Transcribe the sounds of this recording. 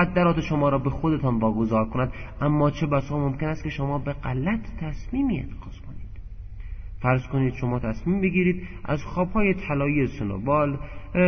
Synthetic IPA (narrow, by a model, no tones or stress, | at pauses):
æd̪ːæɾɒːt̪eʃomɒːɾɒːbexod̪et̪ʰɒːnvɒːɡo̞zɒːɾkʰonæd̪ʔæmːɒːt͡ʃʰebæsɒːmomkʲe̞næst̪̚kʰe̞ʃomɒːbe̞ɢælæt̪ʰːæsmiːmiḛt̪ʰe̥ɡɒːz̥kʰoniːd̪̥ | fæɾzkoniːd̪̥ʃo̞mɒːt̪ʰæsmiːmbeɡʲiːɾiːd̪ʔæ̰zxɒːb̥hɒːje̞t̪ʰælɒːjiesono̰bɒːl